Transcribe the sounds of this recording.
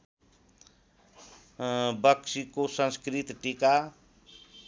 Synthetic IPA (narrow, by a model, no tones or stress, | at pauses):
bəksikosə̃nskɾit̪ʈika